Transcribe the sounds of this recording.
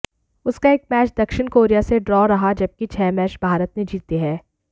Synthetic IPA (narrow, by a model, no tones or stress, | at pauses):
ʊskaeːk̚mɛːt͡ʃd̪ɐkʃɪnkoːɾijaseɖɾɔːɾɐɦad͡ʒɐb̚kit͡ʃʰɛːmɛːt͡ʃbʱaːɾət̪med͡ʒiːt̪iɦɛː